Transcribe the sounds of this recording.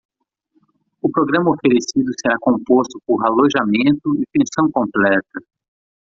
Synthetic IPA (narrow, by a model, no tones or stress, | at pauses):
ʊpɾoɡɾɐ̃mɐofeɾesid̪ʊseɾakõmpost̪ʊpoɾaloʒamẽnt̪ʊɪfẽsɐ̃w̃kõmplɛt̪ɐ